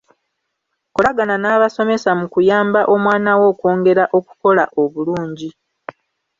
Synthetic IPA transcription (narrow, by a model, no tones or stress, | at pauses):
kolaɡananaːβaso̞me̞samukujaːmbaʔo̞mwaːnawo̞ːko̞ːŋɡe̞ɾaʔo̞ku̥ko̞laʔo̞βuluːɲɟi